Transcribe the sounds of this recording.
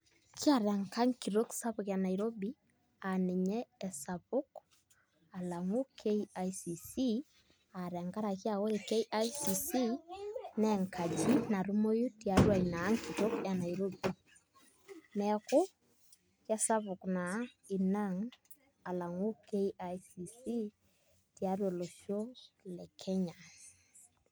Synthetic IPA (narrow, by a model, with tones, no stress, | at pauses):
kja˨ɾɛ˨ŋka˦ŋki˨ɾo˦ksa˦βu˨kja˨na˨iɾo˦bi˦ | ane˨ɲɛ˦ɛ˨sa˨βo˦k | a˨la˨ŋo˦kʰe˦iajsi˨si | a˨ɾɛ˨ŋɡa˦ɾa˨kja˨wɔ˦e˨ke˦iʔajsi˨si˦nɛ˨ŋkʰa˨d͡ʒi˦na˨ɾu˦mo˦ju˦ti˨a˦ɾwa˨i˨na˨˦ŋki˨to˦ka˨na˨i˨ɾo˦bu˦ | nɛ˨˦ko˦ | kja˦sa˦βʊ˨kna˨i˨na˦ŋ | a˨la˨ŋo˦ke˦i˦a˦jsi˨si˦ | ti˨a˦ɾwɔ˨lo˨ʃjo˦lɛ˨kʰɛ˦ɲa˨